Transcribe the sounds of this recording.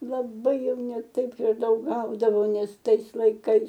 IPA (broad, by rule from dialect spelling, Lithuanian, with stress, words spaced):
lˠɐˈbɐɪ ˈjɛʊ nʲɛ ˈtɐɪp ɪr ˈdɐʊk ˈɡɐʊdɐʋoː ˈnʲɛs ˈtɐɪs lˠɐɪˈkɐɪs